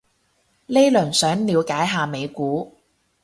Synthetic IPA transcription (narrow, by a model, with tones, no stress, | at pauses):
le˥lɵ˨˩nsœː˨˥ŋliː˨˧wkaː˨˥jɦaː˨me˨˧jkuː˨˥